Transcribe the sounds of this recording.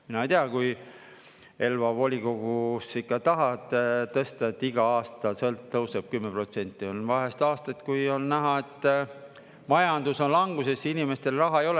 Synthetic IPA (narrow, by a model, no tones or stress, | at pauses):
minɑejt̪eɑkuj | e̞lvɑvo̞lʲiko̞ɡ̥usikːɑt̪ɑɦɑt̪ːet̪ɤst̪ɑet̪ːˑiɡ̥ɑɑːst̪ɑsɤlt̪ːɤwseb̥̚kymːepro̞t̪se̞nʲt̪ːˑio̞nvɑɦe̞st̪ɑːst̪ɑt̪kujo̞nːæɦɑe̞t̪ː | mɑjɑnd̪̥uso̞nlɑŋɡ̥use̞sinime̞st̪e̞lrɑɦɑejo̞le